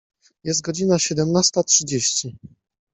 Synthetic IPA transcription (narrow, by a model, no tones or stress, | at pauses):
jɛst̪̚ɡɔd͡ʑinaɕɛd̪ɛmnast̪atʂɘd͡ʑeɕt͡ɕi